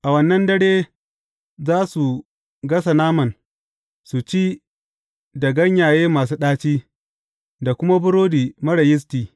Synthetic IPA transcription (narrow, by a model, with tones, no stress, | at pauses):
ʔa˨wɐ˦nːɐ˦ndɐ˦ɽeː˦ | zaː˦su˨ | ɡɐ˦s̬a˨naː˦mɐ˨n | su˨t͡ʃiː˦ | da˨ɡɐ˦ɲjaː˨jeː˦maː˨s̬uː˦ɗaː˦t͡ʃiː˦ | da˨kʷʊ˦ma˦bʊ˦ɽoː˦diː˨mɐ˦ɽɐ˨jɪ˦s̬tiː˨